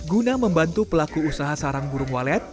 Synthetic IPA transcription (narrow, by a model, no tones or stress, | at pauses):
ɡunaməmbant̪upəlakuːsaɦasaɾaŋɡuɾʊŋwalɛt̪̚